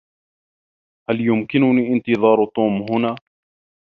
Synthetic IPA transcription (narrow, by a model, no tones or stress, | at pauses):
haljʊmkɪnʊniːʔɪnt̪ɨðˤɑːɾt̪ˤːuːmɦʊnaː